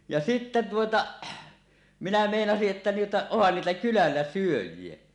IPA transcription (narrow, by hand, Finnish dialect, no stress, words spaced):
jɑ sitːæ tuotɑ minæ meˑinɑsiʔ ʔetːæ tuotɑ ohːɑn niːtæ kylælːæ syøjˑie